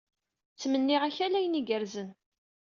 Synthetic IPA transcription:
t͡sːmənːɪʁaçælæjəniɡəɾzən

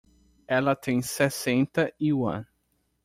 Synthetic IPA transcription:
ɛlɐt̪ʰẽj̃sesẽnt̪ɐiũɐ̰̃n

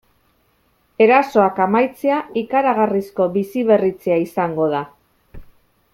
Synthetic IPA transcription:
e̞ɾaso̞akamajt͡seaikaɾaɣ̞arisko̞βisiβe̞rit͡seaisaŋɡo̞ða

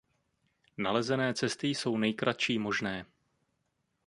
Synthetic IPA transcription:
nalɛzɛnɛːt͡sɛst̪ɪso̞wnɛjkɾʔat̪ʃiːmo̞ʒnɛː

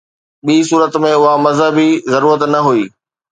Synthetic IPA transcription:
ɓiːsuːɾət̪mẽʊɦamɐzɦəbʱizɐɾuːɾət̪nɐɦuiː

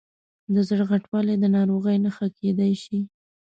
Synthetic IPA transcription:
d̪əzɽɣaʈwɑled̪ənɑɾoɣəjnaxakʰed̪ajʃi

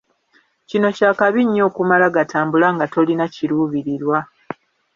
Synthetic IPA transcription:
cino̞caːkaβiɲːo̞ːkumalaɡatʰaːmbulaŋɡato̞linaciɾuːβiɾiɾwa

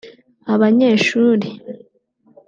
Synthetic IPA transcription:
aβaɲe̞ːʃuːɾi

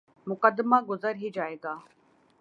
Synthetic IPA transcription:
mʊkəd̪ːmaːɡʊzəɾɦid͡ʒaːeːɡaː

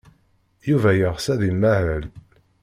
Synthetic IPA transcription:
juvæjəʁsæðimːæʕæl

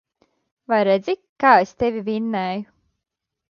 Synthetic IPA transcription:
vajɾed̪zʲikaːest̪evʲivʲinːɛːju

